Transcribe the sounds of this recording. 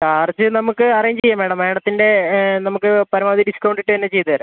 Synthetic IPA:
kaːrt͡ɕːɨnɐmukːɨɐrɐjiɲd͡ʑt͡ɕejːaːme̞ːɽɐme̞ːɽɐt̪ːinde̞nɐmukːɨpɐɾɐmaːd̪iɖiskɐwɳɖiʈːɨɐnːet͡ɕe̞jt̪ːɨðɐɾɐ

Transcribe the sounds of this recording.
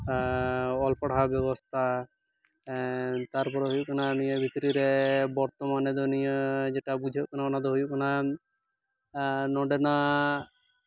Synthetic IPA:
ɔlpɔɽ̤abɛβɔst̪ʰa | t̪aɾpɔɾeɦojukɔnanijəbʱit̪ɾiɾebɔɾt̪ɔmaned̪unijəd͡ʒeʈabud͡ʒʱekɔnakɔnad̪oɦojukɔna | nɔɖena

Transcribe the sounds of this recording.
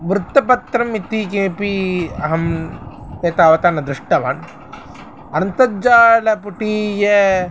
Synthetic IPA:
ʋɾut̪ːɐpɐt̪ɾɐmit̪iːkeːpiɐɦɐmt̪eːt̪aːʋɐt̪aːnɐd̪ɾɪʂʈɐʋa̰ːn | ɐnɐnt̪ɐd͡ʒaːlɐpuʈiːje

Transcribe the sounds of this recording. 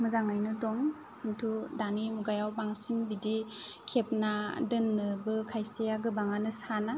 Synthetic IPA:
mɯzaŋajnɯdɔŋ | kʰɯntʰudanimuɡajawbaŋsiŋbidikʰep̚nadɯnːɯbɯkʰajsejaɡɯbaŋanɯsana

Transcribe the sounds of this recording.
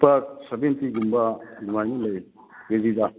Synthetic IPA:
pɐsɐbentiɡumbɐlumajnɐlɐj | ɡezidɐ

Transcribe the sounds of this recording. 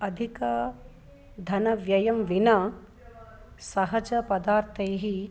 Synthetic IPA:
ɐd̪ʱikɐ | d̪ʱɐnɐʋjɐjɐmʋinɐ | sɐɦɐd͡ʒɐpɐd̪aːɾt̪ʰɐjɦi

